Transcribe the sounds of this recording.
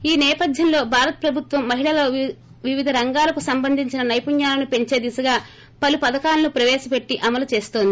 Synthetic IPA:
iːnɛːpɐd̪ʱjɐnlo̞ːbʱaːɾɐt̪ɐ̥pɾɐbʱut̪ʋɐmːɐɦiɭɐlɐ | ʋiʋid̪ʱɐɾɐŋɡaːlɐkusɐmbɐnd̪ʱiɲt͡ʃinɐnɐjpuɲjaːlɐnupe̞ɲt͡ʃe̞ːd̪isɐɡaː | pɐlupɐd̪ɐkaːlɐnupɾɐʋɛːʃɐpe̞ʈːiʔɐmɐlut͡ʃe̞ːst̪oːnd̪i

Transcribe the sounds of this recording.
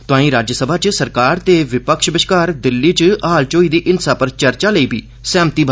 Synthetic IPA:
t̪ʊãːĩːɾaːd͡ʒəsəbʱaːt͡ʃsəɾkaːɾt̪eːʋɪpəkʃbɪʃkaːɾd̪ɪlːiːt͡ʃɐɦaːlt͡ʃoːiːd̪iːʔɪnsaːpəɾt͡ʃɐɾt͡ʃaːləiːbʱiː | sɛ̃ːmt̪iːbʱ

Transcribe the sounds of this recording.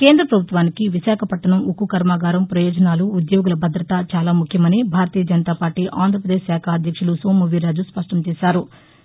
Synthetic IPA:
ke̞ːnd̪ɾɐpɾɐbʱut̪ʋaːnikiʋiʃaːkʰɐpɐʈːɐnɐmukukɐɾmaːɡaːɾɐmpɾɐjɔːd͡ʒɐnaːluːd̪joːɡulɐbʱɐd̪ɾɐt̪at͡ʃaːlaːmukʰjɐmɐnibʱaːɾɐt̪iːjɐd͡ʒɐnɐt̪aːpaːɾʈiːʔaːnd̪ʱɾɐp̬ɾɐd̪eːʃsaːkʰɐːd̪ʱjɐkʂulusoːmːuʋiɾaːd͡ʒuspɐʂʈɐmt͡ʃɛːsaːɾu

